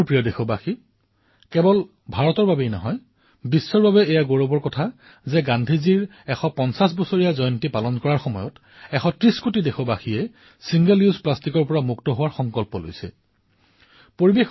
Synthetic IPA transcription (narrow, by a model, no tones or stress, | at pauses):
pɹijɔdexɔbaxi | kɛbɔl | bʱaɹɔtɔɹbabejnɔ̰ɦɔj | bisːɔɹbabɛɛjaɡoɹɔbɔɹkɔtʰa | zɛɡandʱiziɹ | ɛxɔpɔnsas̬bɔsoɹijazɔjɔntipalɔnkɔɹaɹxɔmɔjɔt | ɛxɔtɹiskutidexɔbaxiɛ | siŋɡɛluzplastikɔɹpɔɹamuktɔɦʊwaɹxɔŋkɔlpɔlo̰jsɛ̰ | poɹibex